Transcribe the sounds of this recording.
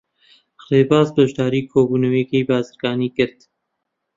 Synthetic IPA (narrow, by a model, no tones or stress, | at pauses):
xleːbaːzbɐʒd̪aːɾiːkʰoːbuːnəweːkeːjbaːzɨɾɡɑːniːkɪɾd̪